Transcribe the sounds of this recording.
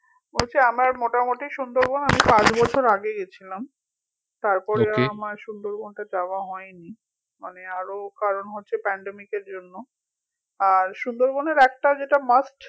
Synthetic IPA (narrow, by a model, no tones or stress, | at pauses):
bolt͡ɕʰeamaɾmoʈamoʈiʃund̪oɾbonamipãt͡ɕbɔt͡ɕʰoɾaɡeɡet͡ɕʰilam | t̪aɾpɔɾeamaɾʃund̪oɾbonʈad͡ʑaoaɦɔeni | maneaɾokaɾonɦotːɕʰepɛɳɖemikeɾd͡ʑonːo | aɾʃund̪oɾboneɾɛk̚ʈad͡ʑeʈamasʈ